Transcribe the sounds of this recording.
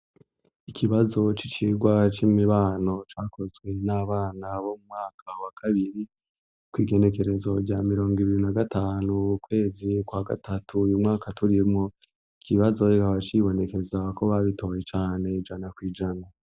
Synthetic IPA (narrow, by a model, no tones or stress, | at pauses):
ikʰiβazo̞t͡ʃit͡ʃiɾɡwat͡ʃimiβaːno̞t͡ʃaːkʰo̞zɡwe̞naːβaːnaβo̞mumŋaːkʰawakʰaβiɾi | kwiːɡe̞ne̞ke̞ɾe̞zo̞ɾɟaːmiɾo̞ːŋɡiβiɾinaɡatʰaːnukwe̞ːzikwaɡa̰tatʰujumŋaːkʰatuɾimŋo̞ | ikʰiβazo̞ikaβat͡ʃiβo̞ne̞ke̞zako̞βaβito̞ːje̞t͡ʃaːne̞id͡ʒanakwiːd͡ʒana